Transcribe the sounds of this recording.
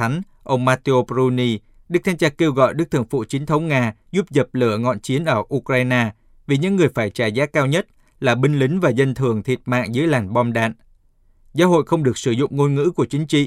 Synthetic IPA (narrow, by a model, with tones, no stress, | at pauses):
a˨˦ŋ̟ | ʔə˧wŋ͡mmaː˧t̪i˧o˧pzu˧ni˧ | ɗɨ˦˥k̚t̪ʰaː˧mt͡ɕaː˧ke˧wɣɔ̰˧˨jɗɨ˦˥k̚t̪ʰɨ˧˨˩ŋfṵ˧˨t͡ɕi˨˦əŋt̪ʰə˨˦wŋ͡mŋaː˧zu˦˥p̚zə˨˩p̚lɨ˧˩əŋɔ̰˧˨nt͡ɕi˨˦ənʔəː˧˩ʔu˧kɾaː˧jnaː˧ | vi˨˩ɲɨ̰˧˥ŋːɨ˨˩əjfaː˧˩jt͡ɕaː˧˩jzaː˨˦kaː˧wɲə˦˥t̚ | laː˨˩ɓï˧ŋ̟lï˨˦ŋ̟vaː˨˩zə˧nt̪ʰɨ˨˩əŋt̪ʰi˨˩ət̚ma̰ː˧˨ŋzɨ̰˨˦əjlaː˨˩nɓɔ˧mɗa̰ː˧˨n | zaː˨˦ɦo̰˧˨jxə˧wŋ͡mɗɨ˨˩ək̚sɨ˧˩zʊ̰˧˨ŋ͡mŋo˧nŋɨ̰˧˥ku˧˩ət͡ɕï˨˦ŋ̟t͡ɕḭ˧˨